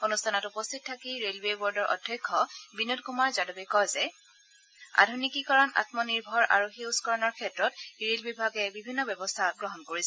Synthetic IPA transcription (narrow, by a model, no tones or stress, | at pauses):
onustʰanɔtupɔstʰit̚tʰakiɹelwewɔɹdɔɹʔɔ̰dʱːɔjkʰːɔbinut̚kumaɹzadɔbɛkɔjzɛ | a̰dʱunikikɔɹɔna̰tmɔniɹbʱɔɹʔa̰ɹuxiuskɔɹɔnɔɹkʰɛtɹɔtɹelbibʱaɡɛbibʱinːɔbjɛbɔstʰaɡɹɔɦɔnkoɹisɛ